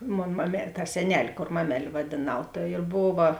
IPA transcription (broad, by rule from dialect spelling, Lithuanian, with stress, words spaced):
ˈmoːn mɐmʲɛ tɐ sʲɛˈnʲɛlʲ ˈkoːr ˈmɑːmʲɛlʲ ʋɐdʲeːˈnɐʊ tɐ ɪr ˈboːʋɐ